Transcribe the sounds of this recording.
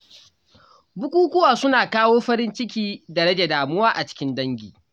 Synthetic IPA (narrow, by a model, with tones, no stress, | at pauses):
bʊ˦kʷʼuː˦kʷʊ˦waː˨sʊ˦naː˨kaː˦woː˦ɸɐ˦ɾɪ˦nt͡ʃɪ˦k̬ʲiː˦dɐ˨ɽɐ˦d͡ʒa˨daː˨mʊ˦waː˦ʔa˨t͡ʃɪ̥˦kʲɪ˦ndɐ˦ŋɡʲḭː˨